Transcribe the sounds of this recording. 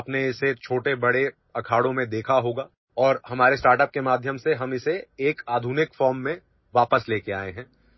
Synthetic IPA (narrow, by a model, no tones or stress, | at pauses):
pneɪset͡ʃʰoːʈebɐɽe | ɐkʰaːɽõmẽd̪eːkʰaɦoːɡaː | ɔːɾhɐmaːɾesʈaːɾʈəp̚kemaːd̪ʱjəmseɦɐmɪseːkaːd̪ʱuːnɪkfɔːɾmːẽ | ʋaːpəsleːkeaːeɦɛ̃ː